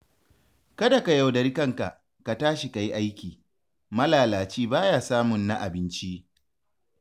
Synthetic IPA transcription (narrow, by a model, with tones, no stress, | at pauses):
kɐ˦da˨ka˨ja˨wdɐ˨ɾi˦kɐ˦˨ŋka˨ʔ | ka˨taː˦ʃi˨ka˨ji˦ʔa˦jkʲiː˨ | mɐ˦laː˨laː˨t͡ʃiː˦baː˦jaː˦saː˦mʊ˨nːa˦ʔa˨bɪ˦nt͡ʃi˦ʔ